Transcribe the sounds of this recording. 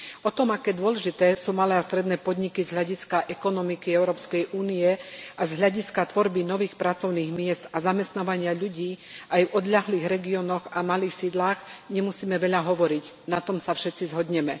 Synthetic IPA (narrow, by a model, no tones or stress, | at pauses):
ɔt̪ɔmakɛːd̪ʊɔlɛʒit̪ɛːsuːmalɛːast̪ɾɛd̪nɛːpɔd̪ɲikizɦʎaɟiskaʔɛkɔnɔmikiɛʊɾɔːpskɛjʔuːnijɛazɦʎaɟiskat̪ʋɔɾbinɔʋiːxpɾat͡sɔʊniːɣmɪɛzt̪azamɛst̪naːʋaɲɪaʎuɟiːajvɔd̪ʎaɦliːɣɾɛɡiɔnɔɣamaliːxsiːd̪laːɣɲɛmusiːmɛʋɛʎaɦɔʋɔɾicnat̪ɔmsafʃɛt̪t͡sizɦɔd̪ɲɛmɛ